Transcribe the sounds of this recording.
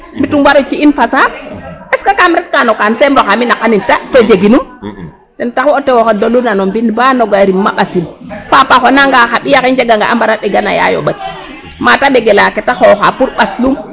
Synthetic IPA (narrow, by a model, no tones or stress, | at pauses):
mbitumwaɾot͡ʃiinpasaeskakamɾet̚kanokansemɾoxaminakanintated͡ʒeɡinum | dentakwotewokadolunanombinbanoɡaɾimːa̰ɓasilpapaxonaŋɡaxaɓijakind͡ʒeɡaŋɡa̰ʔambaɾaɗeɡana̰ja̰jo̰ɓat̚ | mataɓeɡelaketaxoxapuɾɓaslum